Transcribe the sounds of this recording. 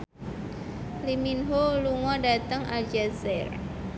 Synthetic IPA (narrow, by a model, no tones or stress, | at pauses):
liminɦoluŋɔdat̪əŋʔad͡ʒasɛr